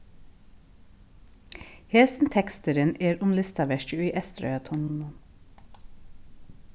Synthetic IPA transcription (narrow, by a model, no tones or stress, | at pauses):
heːsn̩t̪ʰɛkst̪əɾəneːɾʊmlɪst̪ɑʋæʃəiːʔɛst̪ɾœ̰ʏɑt̪ʰʊnnən